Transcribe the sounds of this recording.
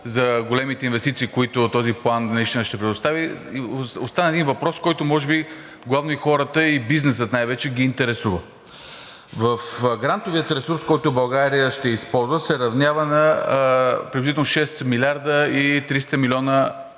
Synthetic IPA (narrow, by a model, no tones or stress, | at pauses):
zɐɡolɛmit̪ɛinvɛst̪it̪siːkoit̪ot̪ɔziplˠanist̪inəʃt̪ɛpɾɛd̪ost̪avi | ost̪anəɛd̪invɐpɾɔskɔjt̪omɔʒɛbi | ɡlˠavnoixɔɾət̪əibiznɛsət̪najvɛt͡ʃɛɡiːnt̪ɛɾɛsuvə | vəfɡɾant̪oviət̪ɾɛsuɾskɔjt̪ʊbɐlˠɡaɾijəʃt̪ɛispɔlˠzvəsɛɾɐvnʲavənɐ | pɾɛd̪lʲzit̪ɛlˠnoʃɛsmilʲaɾd̪əit̪ɾist̪əmilʲɔnə